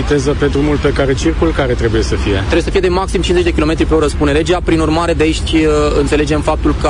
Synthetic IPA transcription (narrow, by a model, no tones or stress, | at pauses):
it̪ezəpe̞d̪ɾumulpe̞kaɾe̞t͡ʃirkulkaɾe̞t̪ɾebuje̞səfije̞t̪ɾebujesəfije̞d̪emaksimt͡ʃinze̞t͡ʃ̪ʲd̪ekilo̞me̞t̪ɾipe̞oɾəspune̞le̞d͡ʒeapɾinurmaɾe̞d̪eʃt̪ʲɨnt̪se̞le̞d͡ʒe̞mfap̚t̪ulkə